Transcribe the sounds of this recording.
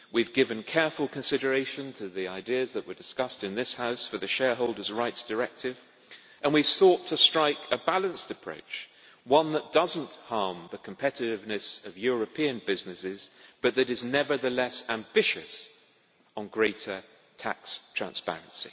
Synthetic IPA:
wivɡɪvɨ̃nkʰɛɹfl̩ˠkʰɨ̃nsɪɾə˞eɪʃɨ̃ntʰɨðiaɪdiɨzðəʔ̚wə˞dɨskʌstɨ̃nðɪshaʊsfə˞ðɨʃɛɹɦoʊlˠdə˞zɹaɪtsd̥ə˞ɛk̚tʰɪv̥ | ʔə̃nwiv̥θɔtʰɨstɹ̥aɪkɨbælˠə̃nstɨpʰɹ̥o̰ʊt͡ʃ | wʌ̃nðət̚d̥ʌz̃n̩thɑɹmðɨkʰə̃m̩pʰɛɾɨɾɨvnɨsʌvjʊɹɨpʰĩɨ̃nbɪznɨsɪzb̥ʌt̪̚ðɨɾɨznɛvə˞ðɨlɛsæ̃mbɪʃɨ̰s | n̩ɡɹeɪɾə˞ | tʰæ̰kstʰɹ̥æ̰̃nspɛ̰ɹɨ̃nsḭ

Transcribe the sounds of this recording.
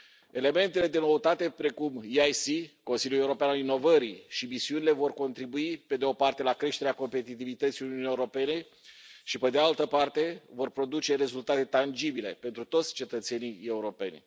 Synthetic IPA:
e̞le̞me̞nt̪e̞le̞d̪e̞no̞ət̪at̪e̞pɾe̞kumiajsiko̞nsiljuleuɾo̞peanalino̞vəɾiʃimisiunile̞vo̞rko̞nt̪ɾibuipe̞d̪eo̞part̪e̞lakɾe̞ʃt̪e̞ɾeako̞mpe̞t̪it̪ivit̪ət̪sijununieuɾo̞pe̞ne̞ | ʃipe̞d̪ealt̪əpart̪e̞vo̞rpɾo̞d̪ut͡ʃe̞ɾe̞zult̪at̪e̞t̪and͡ʒibile̞pe̞nt̪ɾut̪o̞t̪sʲt͡ʃe̞t̪ət̪se̞nije̞uɾo̞pe̞̰nʲ

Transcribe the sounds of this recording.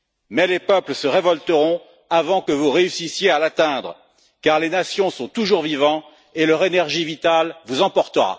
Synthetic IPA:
mɛlepœpləsəʁevɔlt̪əʁɔ̃ | avɑ̃kəvuʁeysisjealat̪ɛ̃d̪ʁə | kaʁlenasjɔ̃sɔ̃t̪uʒuʁvivɑ̃ | elœʁenɛʁʒivit̪alvuzɑ̃pɔʁt̪əʁa̰

